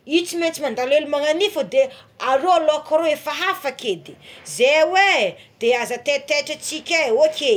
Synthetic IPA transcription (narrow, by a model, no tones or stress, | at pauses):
it͡simet͡simand̪alelimaŋanifəd̪eaɾoaloakaɾoefaɦafaked̪i̥zewe | d̪̥eazət̪et̪eʈ͡ʂat͡sikʲaokʰʲe